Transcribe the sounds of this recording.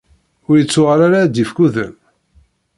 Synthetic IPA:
ʊɾjət͡sːʊʁaɾaɾad̪ifkuðə̰n

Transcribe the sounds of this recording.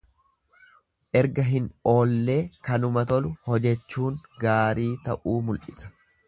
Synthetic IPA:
ʔɛɾɡɐɦɪnoːlːe̞ːkɐnʊmɐt̪ɔlʊhɔd͡ʒɛt͡ʃːuːŋɡaːɾiːt̪ɐʔuːmʊlʔɪsɐ̥

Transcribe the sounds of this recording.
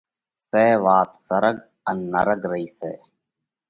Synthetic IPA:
seːʋaːt̪səɾəɡ | ənːə̰ɾəɡɾəiːsḛː

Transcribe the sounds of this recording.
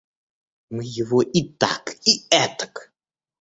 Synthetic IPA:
mɨjɪvoʔit̪a̰kiɛt̪ə̥k

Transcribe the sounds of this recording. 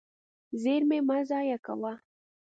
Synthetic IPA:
zeɾmemazajaka̰wa

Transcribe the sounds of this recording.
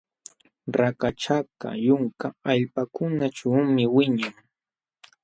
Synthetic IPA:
ɾakaʈ͡ʂaka̰jʊŋkaaʎpakʊnaʈ͡ʂawmɪwɪɲaŋ

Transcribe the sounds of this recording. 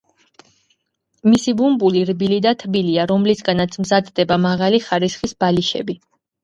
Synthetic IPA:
misibumbuliɾbilid̪at̪ʰbiliaɾɔmlisɡanat̪sʰmzad̪d̪ɛbamaʁaliχaɾisχisb̥aliʃɛ̰bi

